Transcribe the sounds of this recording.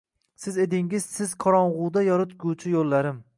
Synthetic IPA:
sɪzed̪ɪŋɪz̥sɪzqʰɒɾɒɴʁʊd̪ajɒɾɪt̪ɡʲʊt͡ʃʰɪjolːaɾɪm

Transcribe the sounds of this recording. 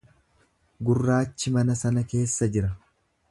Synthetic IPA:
ɡʊrːaːt͡ʃːɪmɐnɐsɐnɐke̞ːsːɐd͡ʒɪɾɐ

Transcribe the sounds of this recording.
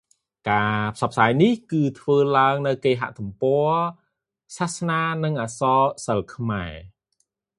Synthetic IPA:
kaːpʰsɑp̚ʰːsaːjnihkɨːt̪ʰʋəːlaəŋnɨwkeːɦa̰ʔt̪umpoə | sahsnaːnɨŋʔaːsɑːsəlkʰmaɛ

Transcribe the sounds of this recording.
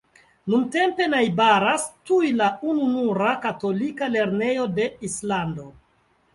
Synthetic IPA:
nunte̞mpe̞najbaɾastujlaununuɾakato̞likale̞ɾne̞jo̞de̞islando̞

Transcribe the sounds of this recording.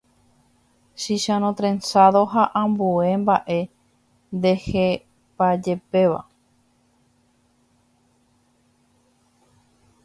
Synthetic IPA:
ʃiʃãnõt̪ɾẽnsaðoɦaʔãmbue̞mbaʔe̞ | nd̪e̞he | pad͡ʒe̞pe̞ʋa̰

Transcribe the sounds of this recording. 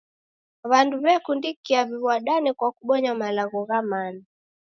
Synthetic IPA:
βanduβɛkundikiaβiβwaɗanikwakuɓɔɲamalaɣɔɣamana

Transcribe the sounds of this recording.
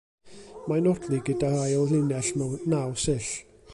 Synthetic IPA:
majnɔrdʰlˠiɡədarajɔlɪnɛɬmɔnawsɪɬ

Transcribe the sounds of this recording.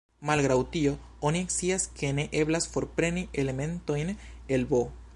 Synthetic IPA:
malɣɾawt̪io | onjeksiaskʰeneʔeβlasfoɾpɾeniʔelemẽnt̪oinelbo

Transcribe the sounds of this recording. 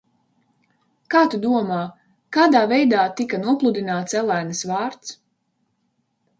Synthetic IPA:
kaːt̪ud̪uɔmaː | kaːd̪aːvɛjd̪aːt̪ikanuɔplˠud̪inaːt̪sɛlˠæjnɨsvaːɾt̪s

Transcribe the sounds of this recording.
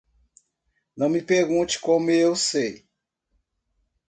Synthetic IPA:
nɐ̃w̃mipeɾɡũt͡ʃɪ̥kõmeewsej

